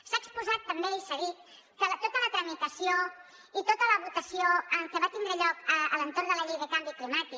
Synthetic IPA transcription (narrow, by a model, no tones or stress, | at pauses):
saəkspuzat̪̚pəmbeisəɣit̪ | kələt̪ot̪ələt̪ɾəmit̪əsio | it̪ot̪ələβut̪əsioəkəβat̪ind̪ɾəʎɔkəələnt̪ornd̪ələʎejðəkambiklimat̪ik